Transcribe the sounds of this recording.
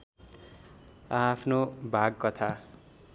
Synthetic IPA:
apʰnobʱaɡ̚kʌt̪ʰa

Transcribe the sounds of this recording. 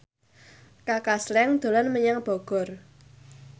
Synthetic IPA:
kakaslɛŋd̪̥o̤lɔnməɲaŋb̥ɔɡ̥ɔ̤r

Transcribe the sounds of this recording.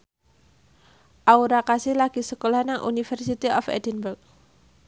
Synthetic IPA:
ʔauɾakasɪhlaɡ̥isəkolahnaŋʔṵnifərsit̪iʔɔfɛ̰dɛnbərk̚

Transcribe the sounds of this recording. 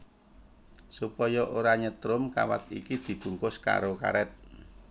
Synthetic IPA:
supɔjɔʔoɾaɲət̪ɾʊmkawa̰t̪̚ḭkid̪̥i̤b̥ṳŋkʊska̰ɾoka̰ɾɛt̪̚

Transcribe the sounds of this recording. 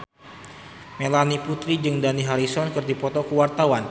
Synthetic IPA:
melaniput̪ɾid͡ʒɨŋdaniɦaɾisɔnkɨrdipɔt̪ɔkəwart̪awan

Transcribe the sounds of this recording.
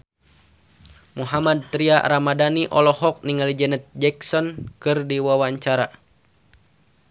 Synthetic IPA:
muɦamad̪̚t̪ɾia̰ɾamadaniʔɔlɔhɔk̚niŋalid͡ʒɛnɛt̪̚d͡ʒɛksɔnkɨrdiwawaɲt͡ʃaɾa

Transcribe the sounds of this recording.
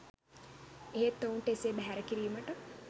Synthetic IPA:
eɦet̪ːounʈeseːbæɦæɾəkiɾiːməʈə

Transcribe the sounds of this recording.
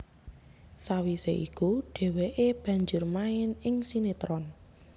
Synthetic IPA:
sawiseʔḭkuɖ̥e̤weʔeb̥ä̤ɲd͡ʒʊrmaɪnɪŋsinet̪ɾɔn

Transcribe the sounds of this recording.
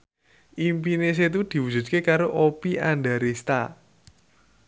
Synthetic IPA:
ʔimpines̬et̪̬ud̪̥i̤wud͡ʒ̥ṳt̪̚kekaɾoʔopiʔandaɾist̪a̰

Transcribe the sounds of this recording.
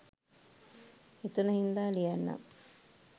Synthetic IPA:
et̪unɐɦind̪aːlijanːa̰m

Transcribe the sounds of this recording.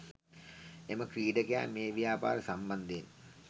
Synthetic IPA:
eməkriːɖəkea̰meːʋijaːpa̰ːɾəsamband̪en

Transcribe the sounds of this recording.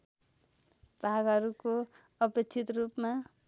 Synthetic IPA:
b̥ʱaɡɦʌɾuko | ʌpekt͡sʰit̪rupma

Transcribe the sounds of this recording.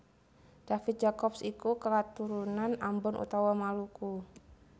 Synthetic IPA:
d̥afit̪̚d͡ʒakɔpsikukəkat̪uɾunanambɔnʔṵt̪awamaluku

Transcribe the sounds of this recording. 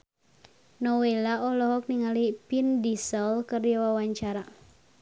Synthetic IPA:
nɔwelaɔlɔɦɔk̚niŋalipindisəlkərjawawaɲt͡ʃaɾa

